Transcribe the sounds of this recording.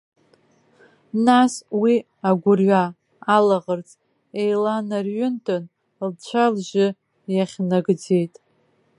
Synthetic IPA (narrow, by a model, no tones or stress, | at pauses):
naswi | aɡʷʊrɥaː | laʁərt͡sʼ | ejlanarɥʊntʼon | lt͡ʃʷʰalʒɪ | jaχʲnaɡd͡ze̞jtʼ